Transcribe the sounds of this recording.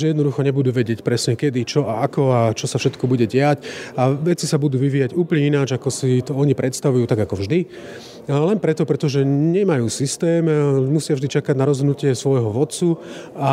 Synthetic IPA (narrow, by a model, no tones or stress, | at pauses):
ɛjɛd̪nɔd̪uxɔɲɛbud̪uːʋɛɟɪɛcpɾɛsɲɛkɛd̪it͡ʃɔaakɔat͡ʃɔsafʃɛt̪kɔbuɟɛɟɪacaʋɛt͡sisabud̪uːʋiʋiːjaɟuːplɲɛinad͡ʒakɔsit̪ɔɔɲipɾʔɛt̪st̪aʋujuːt̪aɡakɔvʒd̪i | lɛnpɾɛt̪ɔpɾɛt̪ɔʒɛɲɛmajuːsist̪ɛːmmusɪavʒd̪it͡ʃakaɟnaɾɔzɦɔd̪nucɪɛsʋɔjɦɔʋɔt̪t͡su | a